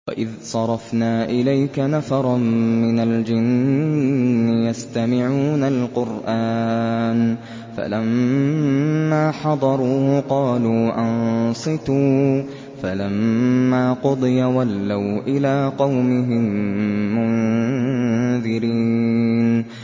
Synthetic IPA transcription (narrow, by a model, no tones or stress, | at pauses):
wa̰ʔɪðsˤɑɾˤɑfnaːʔɪlajkanafɑɾˤɑnmːɪnald͡ʒɪnː | ɪjast̪amɪʕuːnalqʊɾʔaːn | fa̰lamː | aːħɑd̪ˤɑɾˤuːhqɑːluːʔɑnsˤɨt̪uː | falamːaːqʊd̪ˤɨjawalːawʔɪlaːqɑwmɪɦɪmː | ʊn | ðɪɾiːn